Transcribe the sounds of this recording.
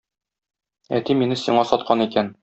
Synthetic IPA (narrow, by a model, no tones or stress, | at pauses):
æ̰t̪iminɘsiɴɑsɒt̪̚qʰɑnikæn